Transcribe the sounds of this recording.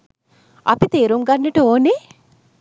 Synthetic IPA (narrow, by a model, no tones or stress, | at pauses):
ɐ̰pit̪eːɾuŋɡɐnːeʈəoːne